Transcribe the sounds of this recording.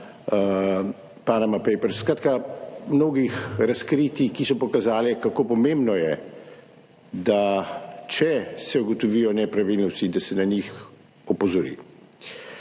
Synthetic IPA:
panamapɛjpɛɾskɾaːt̪kamnoːɡixɾaskɾiːt̪ikisɔpɔkazaːlɛkakoːpɔmẽmbnɔjɛ | d̪at͡ʃɛsɛuɡɔt̪ɔʋiːjɔnɛpɾaʋilnɔst̪id̪asɛnaɲix | ɔpɔzɔɾḭ

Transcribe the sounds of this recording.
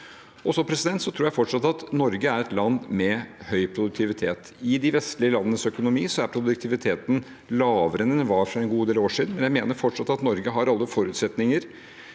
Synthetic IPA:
ɔsɔpʰɾɛsɪd̪ɛnt̪sɔt̪ʰɾuːjæɪfɔʈʂɑt̪ːɑt̪nɔɾɡəæɾɛt̪lɑnːmɛhœʏpʰɾʊd̪ʉk̚t̪ʰɪʋɪt̪ʰeːt̪ | ɪd̪ɪʋɛst̪lɪəlɑnːənəsœkʊnʊmiːsɔæɾpʰɾʊd̪ʉk̚t̪ʰɪʋɪt̪ʰeːt̪n | lɑːʋəɾənɛnʋɑːɾfɾɑɛnɡuːd̪eːloːʂiːd̪n̩mɛnjæɪmeːnəɾfɔʈʂɑt̪ːɑt̪nɔɾɡəɦɑɾɑlːəfɔɾʉːt̪sɛt̪nɪŋəɾ

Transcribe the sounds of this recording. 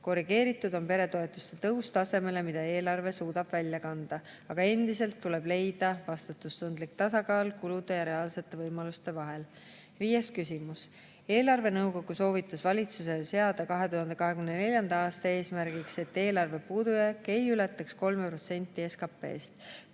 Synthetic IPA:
ko̞riɡ̥e̞ːɾit̪ːˑud̪o̞mpe̞ɾe̞t̪o̞e̞t̪ːˑu̥st̪et̪ɤwst̪ɑse̞me̞le̞mid̪̥ɑe̞ːlɑrve̞suːd̪ɑb̥vælʲjɑkɑnd̪̥ɑ | ɑɡ̥ɑe̞nd̪̥ise̞lt̪ːule̞b̥le̞jd̪̥ɑvɑst̪ut̪ːˑust̪und̪lik̚t̪ɑsɑɡɑːlkulud̪̥e̞jɑɾe̞ɑːlse̞t̪ːˑe̞vɤjmɑlust̪e̞vɑɦe̞l | viːjeskysimus | e̞ːlɑrve̞nɤwɡo̞ɡ̥uso̞ːvit̪ːˑɑsvɑlʲit̪sus̬e̞se̞ɑd̪̥ɑkɑɦe̞t̪uhɑnd̪̥e̞kɑɦe̞kymnene̞lʲjɑnd̪̥ɑɑːst̪ɑe̞ːsmæɾɡikse̞t̪ːe̞ːlɑrve̞puːd̪̥ujɑkːe̞jylet̪ːˑɑksko̞lmepro̞t̪se̞nʲt̪ːˑie̞skɑpːˑe̞̰ːst̪

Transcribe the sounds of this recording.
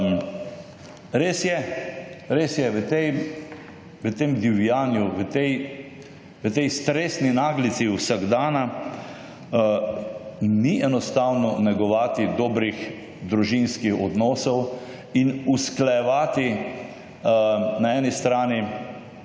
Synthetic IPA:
ɾeːsjɛ | ɾeːsjɛʋət̪ɛj | ʋət̪eːmd̪iwjaːnjuʋət̪ɛj | ʋət̪ɛjst̪ɾeːsninaːɡlit̪siuwsaɡd̪aːna | niʔɛnɔst̪aːwnɔnɛɡɔʋaːt̪id̪ɔːbɾix | d̪ɾuʒinskixɔd̪nɔːsɔw | inusklajɛʋaːt̪i | naɛːnist̪ɾaːni

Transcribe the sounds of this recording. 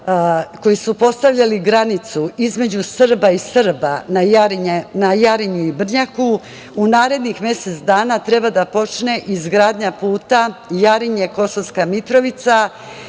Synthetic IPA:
ko̞jisupo̞st̪aʋʎaliɡɾanit̪suizme̞d͡ʑusr̩baisr̩banajaɾiɲenajaɾiɲuibr̩ɲaku | unaːɾe̞d̪nixmje̞se̞t̪sd̪aːnat̪ɾe̞bad̪apo̞t͡ʃne̞ʔizɡɾaːd̪ɲapuːt̪ajaɾiɲeko̞soʋskamit̪ɾo̞ʋit̪sa

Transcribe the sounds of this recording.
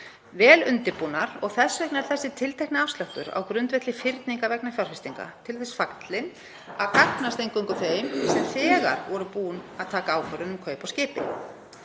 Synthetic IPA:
vɛːlʏnt̪ɪɾpunaɾɔɣθɛsːvɛknɛɾt̪θɛsːɪt̪ʰɪlt̪ʰɛhknɪafst̪lœht̪ʏɾa̰wkɾʏnt̪vɛt̪lɪfɪɾt̪niŋkavɛknafjawɾ̥rfɪst̪iŋka̰t̪ʰɪlθɛsfakt̪lɪn | aðkaknast̪ejŋkʏŋkʏθeːjmsɛmθɛːɣa̰ɾvɔɾʏpuːnaðt̪ʰaːkaaːwfœɾʏnʏmkʰœːɥpawscɪːpɪ̰

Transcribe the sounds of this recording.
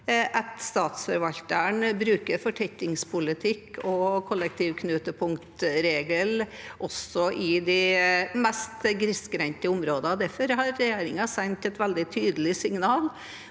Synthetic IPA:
ʔɛt̪st̪ɑːt̪sfœɾʋɑlt̪əɳbɾʉːkəɾfɔʈʰɛk̪ːɪŋspʰʊlɪt̪ʰɪkʰːɔkʰɔlːɛk̚t̪ʰiːʋkʰnʉːt̪əpʰʊŋkt̪ɾeːɡəlʔɔsɔʔɪd̪ɛmɛst̪ɡɾɪsɡɾɛnt̪əʊmɾoːd̪əd̪æɾfɔɾɦɑɾːɛjeːɾɪŋɑsɛnt̪ɛt̪ʋɛld̪ɪt̪ʰyːd̪əlɪsɪŋnɑːl

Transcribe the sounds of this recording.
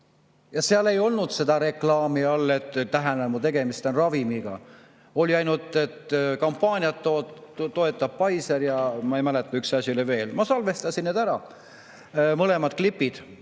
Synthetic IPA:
jɑseɑle̞jo̞lnud̪̥se̞d̪̥ɑɾe̞klɑːmiɑlːe̞t̪ːˑt̪ːæɦænemut̪e̞ɡ̥e̞mist̪enrɑvimiɡ̥ɑ̰ | o̞lʲiɑjnult̪ːˑe̞t̪ːkɑmpːɑːnʲiɑt̪ːot̪o̞e̞t̪ːˑɑb̥̚pɑjseɾjɑmɑejmælet̪ːˑɑyksɑsʲjuleve̞ːlmɑsɑlve̞st̪ɑsinneːd̪æɾɑ | mɤle̞mɑd̪̥̚klipːid̪̥

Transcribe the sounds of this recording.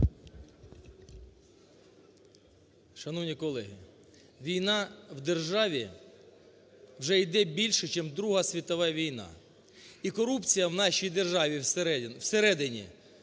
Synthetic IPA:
ʃɐnɔwnʲikɔlˠɛɦʲi | ʋʲijnɑwd̪erʒɑʋʲi | wʒɛjd̪ɛbʲilʲʃɛt͡ʃɛmd̪ɾuɦɐsʲʋʲit̪ɔʋɛʋʲijnɑ̰ | ikɔɾupt͡sʲijɐwnɑʃʲijd̪erʒɑʋʲiswseɾɛd̪ɪnʲḭ

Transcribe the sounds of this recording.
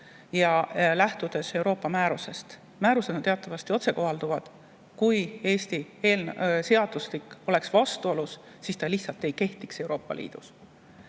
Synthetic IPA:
jɑlæht̪ud̪̥e̞se̞wɾo̞ːpːˑɑmæːɾuse̞st̪ | mæːɾuse̞d̪nt̪eɑt̪ːˑɑvɑst̪io̞t̪se̞ko̞ɦɑld̪uvɑd̪̥ | kuje̞ːst̪ie̞ːlnse̞ɑd̪̥usliko̞le̞ksvɑst̪uo̞lusː | iːst̪ɑliht̪sɑlt̪ːˑe̞jke̞ht̪ikse̞wɾo̞ːpˑːɑ̰lḭːd̪̥us

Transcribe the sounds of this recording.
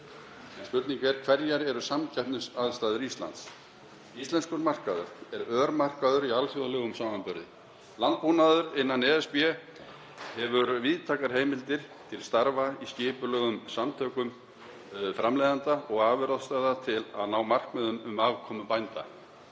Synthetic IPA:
ɛnspʏɾt̪niŋkvɛɾ̥kʰvɛɾjaɾɛɾʏsamcʰɛhpnʏsaðst̪aːðʏɾist̪la̰nt̪s | ist̪lɛnskʏɾmar̥kaðʏɾ̥ɛɾœːɾmar̥kaðʏɾialfjɔɣalœɣʏmsaːmanpʏɾðɪ̰ | lant̪̚puːnaðʏɾɪnːanɛːɛspjɛ | hɛvʏɾviːðt̪ʰaːkaɾ̥ɦeːjmɪlt̪ɪɾ̥ | t̪ʰɪlst̪aɾvaiscɪːpʏlœːɣʏmsamt̪ʰœːkʏm | fɾamlejðant̪aɔɣaːvʏɾaðst̪aðat̪ʰɪla̰ðnaːwmar̥kmœðʏmʏmaːvkʰɔːmʏpajnt̪a̰

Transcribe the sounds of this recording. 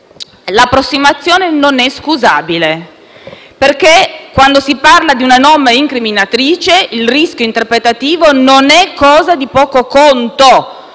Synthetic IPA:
lapːɾosːimat̪sːjoːnenonɛskuza̰ːbile | perkekːwand̪osiparlad̪iunanɔmːeiŋkɾiminat̪ɾiːt͡ʃeilriskʲjoint̪erpɾet̪at̪iːvononɛkːɔːzad̪ipɔːkokont̪o

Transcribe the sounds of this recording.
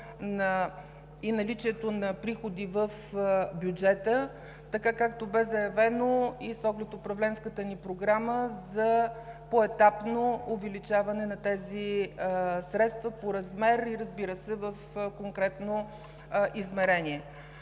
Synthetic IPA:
nɐ | inɐlit͡ʃiɛt̪onɐpɾixod̪ivəfbjud͡ʒɛt̪ə | t̪ɐkakak̚t̪obɛzɐjɐvɛnoisɔɡlɛt̪ʊpɾɐvlɛnskət̪ənipɾoɡɾaməzɐpoɛt̪apnoːvɛlit͡ʃavɐnɛnɐt̪ɛzi | sɾɛt̪st̪vəpoɾɐzmɛɾiɾəzbiɾəsɛvəfkoŋkɾɛt̪no | ʔizmɛɾɛnʲiɛ

